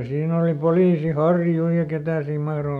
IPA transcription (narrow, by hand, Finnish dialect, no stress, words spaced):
siːn oli poliːsi hɑrju jɑ ketæ siːm mɑhro